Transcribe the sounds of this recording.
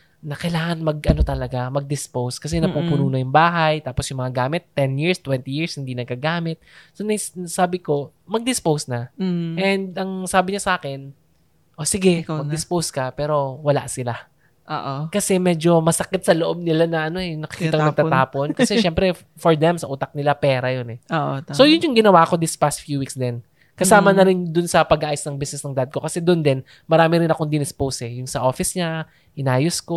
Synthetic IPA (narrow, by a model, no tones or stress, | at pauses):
nɐkɐjlaːŋɐnmɐɡʔɐno̞t̪ɐlɐɡamɐɡ̚d̪ɪspowskɐs̬ɛnɐpuːpunuːnojʊŋbaːɦɐjt̪aːposjʊŋmɐŋaɡaːmɪt̪ːɛnjiɹst̪wɛnt̪ijiɹshɪnd̪iːnɐɡkɐɡaːmɪt̪̚sonɐssaːbɪko̞ | mɐɡ̚d̪ɪspowsnɐʔɛnd̪ʔɐŋsaːbɪɲasɐʔaːkɪn | ʔosɪɡɛmɐɡ̪̚ɪspowskɐpɛːɾo̞wɐla̰ʔsɪla | ʔoʔkɐsɛmɛːd͡ʒo̞mɐsɐkɪt̪̚sɐloʔo̞b̚nɪlanɐʔɐno̞ɛjŋnɐkɪ̥kit̪ɐkonɐɡ̚t̪ɐt̪aːpo̞nkɐsɛʃɛmpɾɛ | foɹd̪ɛmsɐʔuːt̪ɐk̚nɪlapɛːɾɐjonɛoʔso̞jʊnjʊŋɡɪnɐwaːɐko̞d̪ɪspast̪fjuːwiksd̪ɛn | kɐsaːmɐnɐɾɪnd̪ʊnsɐpɐɡ̚ʔaːjʊsnɐŋbisnɛsnɐŋd̪ad̪̚ko̞kɐsɛd̪ʊnd̪ɛn | mɐɾaːmɪɾɪnɐko̞ŋd̪ɪnɪspowsɛjʊŋsɐʔo̞ːfɪsɲa | ʔɪnaːjʊsko